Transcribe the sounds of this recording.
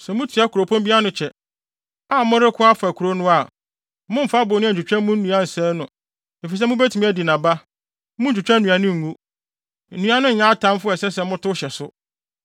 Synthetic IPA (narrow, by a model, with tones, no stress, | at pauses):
sɛ˨mʊ̃˦tʰi˨a˦ku˨ɾo˨pʰɔ̃˦mbi˦a˦nʊ̃˨t͡ɕʰɛ˨ | a˦˨mʊ̃˦ɾɪ˦kʰʊ˦a˦fa˨kʰu˨ɾo˦nʊ̃˦a˨˦ | mʊ̃˦m̩˨fa˦bʊ˨nʊ̃˦˨d͡ʑᶣu˨t͡ɕᶣã˦m˦mʊ̃˦n̩˦nũ˨˦a˦n̩˨sɛː˦nʊ̃˨ | e˨fi˨s̬ɛ˦mʊ̃˦be˦tʰi˨mĩ˦æ˦di˨nã˨ba˦ | m˦ʊ̃˦ɲ̩˦d͡ʑᶣu˨t͡ɕᶣã˦nũ˨a˨nʊ̃˦ŋ̩˨ŋũ˦˨ | nũ˦a˨nʊ̃˦ɲ̩˨ɲã˦tʰã˦m˦fʊ˦ɛ˨sɛ˦sɛ˨˦mʊ̃˦tʰʊ˦ɕɛ˨sʊ˦